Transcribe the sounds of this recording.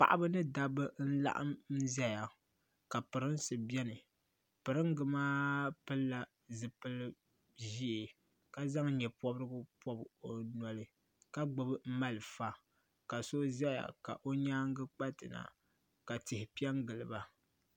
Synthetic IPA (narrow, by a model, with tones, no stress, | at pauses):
pa̰˨ʔa˦bɨ˦nɨ˦da˨bɨ˦n̩˦la̰˦ʔa̰˦m˦zɛ˦ja˨ | ka˨pɨ˨ɾɨ˦n˦sɨ˨bɛ˦nɨ˨ | pɨ˨ɾɨ˦ŋ˦ɡɨ˨maː˦pɨ˦lːa˦ | zɨ˨pɨ˦lɨ˦ | ʒi˦ɪ˨ | ka˦za˦ŋɲɛ˨pɔ˦bɾɨ˦ɡɨ˦pɔ˦bo˨nɔ˨lɨ˦ | ka˦ɡ͡bɨ˨bɨ˦m̩˦ma˦lɨ˨fa˦ | ka˨so˦zɛ˦ja̰˨ka̰˨ʔo˦ɲaː˦ŋ˦ɡɨ˦k͡pa˦tɨ̰˨na̰˨ | ka˨tɪ˨hɪ˨pi˦ɛ˦ŋɡɨ˨lɨ˨ba˨